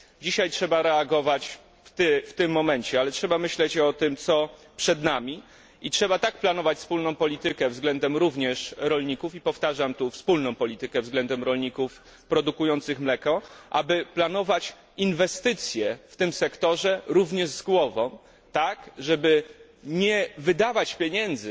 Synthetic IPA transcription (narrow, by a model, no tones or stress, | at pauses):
d͡ʑiɕajtʂɛbaɾɛaɡɔvat͡ɕ | t̪ft̪ɘmːɔmɛnt͡ɕɛalɛtʂɛbamɘɕlɛt͡ɕɔt̪ɘmt̪sɔ | pʂɛd̪namʲi | itʂɛbat̪ak̚planɔvat͡ɕspulnɔ̃w̃pɔlʲit̪ɘkɛvzɡlɛnd̪ɛmɾuvɲɛʂɾɔlɲikufipɔft̪aʐamt̪ufspulnɔ̃w̃pɔlʲit̪ɘkɛvzɡlɛnd̪ɛmɾɔlɲikuf | pɾɔd̪ukujɔnt̪sɘxmlɛkɔʔa̰bɘplan̪ɔvat͡ɕ | invɛst̪ɘt̪sʲjɛft̪ɘmsɛkt̪ɔʐɛɾuvɲɛʐzɡwɔvɔ̃w | t̪akʐɛbɘ | ɲɛvɘd̪avat͡ɕpʲjeɲɛnd̪zɘ